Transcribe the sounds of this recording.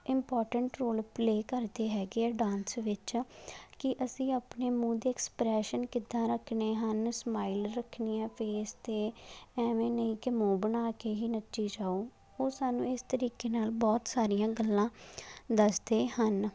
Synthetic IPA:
ɪmpɔːɾʈəɳʈɾoːlpleːkəɾd̪eːɦɛːɡeɛːɖãːnsʋɪt͡ʃkɪʔəsĩːaːpneːmũːd̪eːɛkspɾɛːʃənkɪd̪ãːɾəkʰneːɦənsmaːilɾəkʰniːãːpʰeːst̪eːɛːʋẽːnəĩːkɪmõːbənaːkeːɦiːnət͡ʃːʃiːd͡ʒaːoː | oːsaːnũːɪst̪əɾiːkeːnaːlbɔːt̪saːɾijãːɡəlːãːd̪əsd̪eːhən

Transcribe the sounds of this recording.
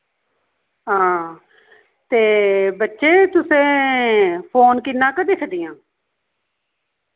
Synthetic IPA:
ɦãː | t̪eːbətːʃeːt̪ʊsẽː | pʰoːnkɪnːãːkəd̪iːsʰəd̪ijãː

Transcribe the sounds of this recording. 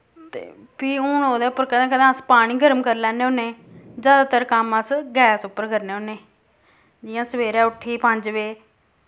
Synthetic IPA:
t̪ḛː | piːʊnɦoːd̪ɛːpːəɾkəd̪ãːkəd̪ẽːəspaːɽ̃iːɡəɾəmkəɾlɛ̃ːnːeoːnẽːzjaːd̪aːt̪əɾkəməsɡɛːsʊpːəɾɡəɾneːoːnẽː | d͡ʒɪjãːsəʋeːɾɛ̃ːʊʈʰːiːpə̃ɲd͡ʒʋeː

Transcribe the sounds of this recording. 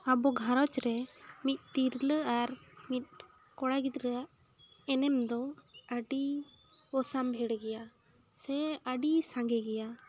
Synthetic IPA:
abɔɡʱãɾɔt͡ʃɾɛmit̪̚ˀt̪iɾləʔaɾmit̪̚ˀ | kɔɽaɡit̪ɾɛjaʔ | ɛnɛmd̪ɔəɖi | ɔsambʱɛɽɡɛja | sɛəɖisãŋɡɛɡɛja

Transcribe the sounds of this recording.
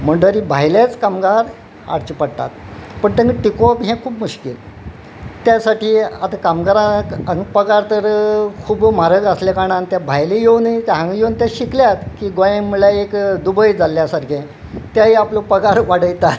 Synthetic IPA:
m̤əɳɖəɾibʱajljat͡skamɡaɾ | a̰ɽt͡ɕipəɽt̪a̰t̪̚pəɳt̪eŋɡəʈikopɦɛ̃kʰuːbmuɕkil | t̪jasaʈiːat̪akamɡəɾãkəŋɡpəɡaɾt̪əɾkʰuːbmaɾəɡəslekaɽ̃ant̪jabʱajlijewnit̪ɦãŋɡjewnt̪jaɕikljat̪kiːɡojẽŋmulaekd̪ubəjd͡zalːjasaɾkẽ | t̪jaɦiaplopəɡaɾʋaɽəjt̪at̪

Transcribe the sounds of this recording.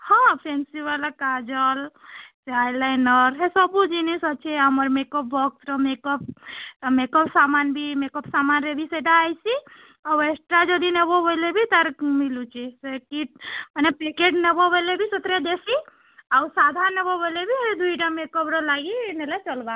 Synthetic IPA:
hãpʰensiʋalakad͡ʒəlt͡ʃajlajnəɾɦesɔbud͡ʒinisɔt͡ʃʰeəməɾmekɔp̚bɔksɾɔmekɔp̚t̪ɔmekɔpsamanbʱimekɔpsamanɾebʱiseʈaːjsi | awesʈɾad͡ʒɔd̪inebobəlebʱit̪əɾmilut͡ʃesekimənepekeʈnebɔbəlebʱisut̪ɾed̪esi | awsad̪ʱaɾnebɔbəlebʱid̪ʱuiʈamekɔpɾɔlaɡinelat͡ʃəlba

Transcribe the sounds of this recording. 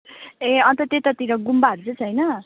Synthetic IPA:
ẽʌnt̪ʌt̪et̪ʌt̪iɾʌɡumbaɦʌɾut͡sʰʌt͡sʰʌjnʌ

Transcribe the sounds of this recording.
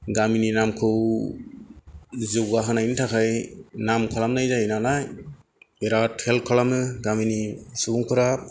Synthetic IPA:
ɡamininamkʰɯw | zɯwɡaɦanajntʰakʰajnamkʰalamnajzajinalaj | eɾatʰelkʰɔlamnɯɡaminisubuŋkʰɯɾap̚

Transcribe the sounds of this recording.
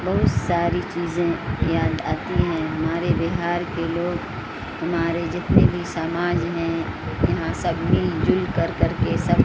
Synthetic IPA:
bɐɦʊt̪saːɾit͡ʃiːzẽjaːd̪a̰ːt̪iɦɛ̃ɦɐmaːɾebɪɦaːɾkeloːɡ | hɐmaːɾed͡ʒɪt̪nebʱisaːmaːd͡ʒɦɛ̃jɐɦãsɐbʱmɪld͡ʒʊlkɐɾkɐɾkesɐb

